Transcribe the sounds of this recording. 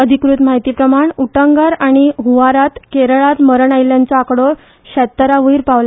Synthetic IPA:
əd̪ʱikɾut̪maɦit̪iːpɾəmaɳuʈəŋɡəɾaɽ̃iɦuʋaɾat̪keɾəɭat̪məɾəɳajljant͡soakɽo | ɕɛt̪ːəɾaʋəjiɾpaʋla

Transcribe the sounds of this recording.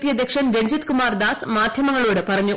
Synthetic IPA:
pjɐd̪ekʂɐnɾeɲd͡ʑɐt̪kumaːrd̪aːsmaːd̪ʱjɐmɐŋːɐɭoːɽɨpɐrɐɲːu

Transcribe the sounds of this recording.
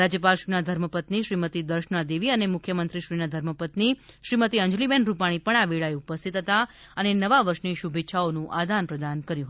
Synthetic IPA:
ɾad͡ʒjəpalʃinad̪ʱəɾməpət̪niʃɾimət̪id̪əɾʃnad̪eʋiənemʊkʰjəmənt̪ɾiʃɾinad̪ʱəɾməpət̪niʃɾimət̪iəɲd͡ʒlibɛnɾupaɽ̃ipəɳaʋeɭaeupəst̪ʰit̪ɦət̪aənenəʋaʋəɾʃniʃubʱetːʃʰaonũʔad̪ʱanpɾəd̪ankəɾjuɦt̪

